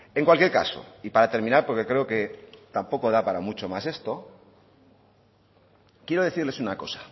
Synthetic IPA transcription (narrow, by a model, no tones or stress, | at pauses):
e̞ŋkwalkje̞ɾka̰so̞̰ipaɾat̪e̞ɾmĩnaɾpo̞ɾke̞kɾe̞oke̞t̪ampo̞ko̞ð̞apaɾamut͡ʃo̞mase̞st̪o̞ | kje̞ɾo̞ðe̞θiɾle̞sunako̞sḁ